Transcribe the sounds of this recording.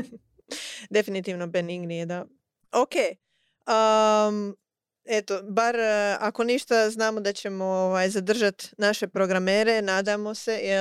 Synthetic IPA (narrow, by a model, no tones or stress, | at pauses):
d̪e̞finit̪iːʋno̞beniŋɡnijed̪a | okeː | əm | e̞t̪o̞baɾako̞niʃt̪aznaːmo̞d̪at͡ɕe̞mo̞oʋaːjzad̪r̩ʒat̪naʃe̞pɾo̞ɡɾameːɾe̞naːd̪amo̞se̞je